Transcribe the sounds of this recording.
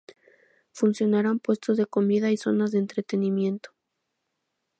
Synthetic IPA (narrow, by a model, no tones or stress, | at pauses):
funsjo̞naɾampwe̞st̪o̞zðe̞ko̞miðaiso̞nazðeːnt̪ɾe̞t̪e̞nimje̞nt̪o̥